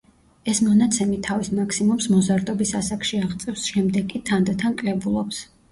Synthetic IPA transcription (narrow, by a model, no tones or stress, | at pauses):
ɛsmɔnat̪sʰɛmit̪ʰːavismakʰsimumsmɔzaɾt̪ʼɔbisasakʰʃiaʁt̪sʼɛfsʃɛmd̪ɛɡʼit̪ʰand̪t̪ʰankʼlɛbulˠɔps